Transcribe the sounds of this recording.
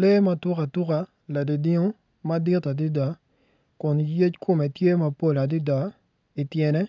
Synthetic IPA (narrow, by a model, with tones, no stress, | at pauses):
le˦ma˦tʊ˦ka˨tʊ˦ka˨ | la˨di˨di˦ŋo˦ | ma˦dɪ˦ta˨di˦da˨˦ | kʊ˨nje˦t͡ʃkʰʊ˦mɛ˨tje˦ma˦po˦la˨di˦da˨˦ | i˨tjɛ˨nɛ˦